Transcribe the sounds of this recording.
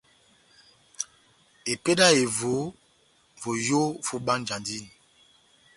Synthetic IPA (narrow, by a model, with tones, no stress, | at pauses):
e˨pe˦da˦e˨vo˨˦ | vo˨jo˦fo˦ɓa˦nd͡ʒa˨ndi˦ni˨